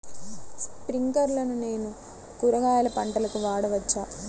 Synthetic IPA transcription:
spɾiŋkɐɾlɐnune̞ːnu | kuɾɐɡaːjɐlɐpɐɳʈɐlɐkuʋaːɽɐʋɐt͡ʃːaː

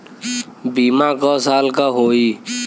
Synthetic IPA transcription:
biːmaːkasaːlkaɦoːiː

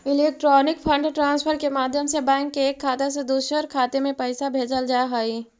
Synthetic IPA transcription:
ɪleːk̚ʈɾɔːnɪkpʰə̃ɳɖʈɾãːnspʰəɾkemaːd̪ʱjəmsebɛ̃ːŋkːeeːkʰːaːt̪ased̪uːʃəɾkʰːaːt̪emẽpɐɪsabʱeːd͡ʒəld͡ʒaːɦəi

